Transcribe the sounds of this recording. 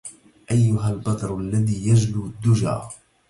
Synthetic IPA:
ʔajːʊɦalbɑd̪ˤɾʔalːaðiːjad͡ʒluːd̪ːʊd͡ʒa̰ː

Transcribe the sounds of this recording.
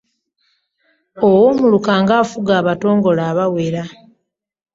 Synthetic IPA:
owoːmulukaːŋɡaːfuɡaːβato̞ːŋɡo̞laːβaweɾa

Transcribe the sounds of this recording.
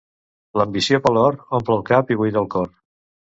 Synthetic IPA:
ləmbisiopəlɔɾompləlˠkapiβujðəlˠkɔr

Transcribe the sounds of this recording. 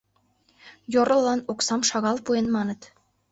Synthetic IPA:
joɾɤ̆lˠːɑnoksɑmʃɑɣɑlˠpujenmɑnɤ̆t̪

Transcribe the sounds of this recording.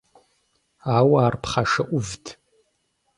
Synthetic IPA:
aːwaːrpʰχaʂɐʔʷʊvtʰ

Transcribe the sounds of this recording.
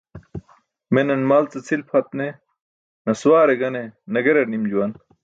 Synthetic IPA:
menɐnmaːlt͡sɐt͡sʰilpʰɐt̪̚ne | nɐswaːɾeɡɐnenɐɡeɾɐnimd͡ʑuwɐn

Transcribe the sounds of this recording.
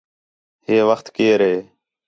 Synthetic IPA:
heːʋəxt̪keːɾɦeː

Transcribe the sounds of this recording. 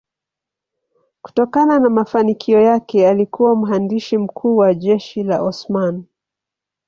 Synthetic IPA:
ku̥tɔkananamafanikʰiɔjakɛalikuwam̩ɦandiʃim̩kʰuːwaʄɛʃila̰ʔɔsman

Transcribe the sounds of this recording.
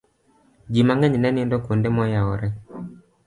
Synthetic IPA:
d͡ʒimaŋɛɲnɛnendɔkondemɔjaɔɾɛ

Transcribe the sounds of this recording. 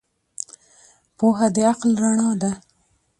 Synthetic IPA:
poɦad̪əaqlɾaɳɑd̪a

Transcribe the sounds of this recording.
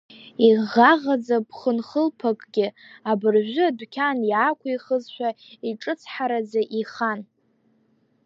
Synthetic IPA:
iʁaʁad͡zabʰχənχəlpʰakʼɡʲɪabɨrʒʷʊadʷkʲʰanjaːkʷʰiχəzʃʷᶣaiʈ͡ʂʼɨt͡sʰħaɾad͡zaʔiχan

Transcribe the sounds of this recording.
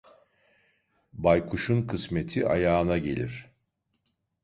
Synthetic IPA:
bajkʰuʃunkʰɯsme̞t̪ʰiʔa̰jaːnaɟe̞̰lʲiɾ̥

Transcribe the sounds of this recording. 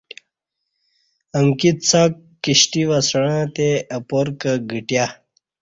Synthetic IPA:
əmkit̪t͡sakː | iɕʈiʋasɽ̃ãt̪eɐpoɾkəɡiʈja

